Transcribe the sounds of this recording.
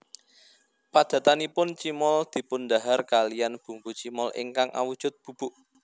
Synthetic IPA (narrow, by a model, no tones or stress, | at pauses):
pad̪̥ä̤t̪anipʊnt͡ʃimɔld̪̥i̤pʊnd̪aɦarkalijanb̥ṳŋput͡ʃimɔlʔɪ̰ŋkaŋʔa̰wud̥ʒ̥ʊ̤t̪̚b̥ṳb̥uʔ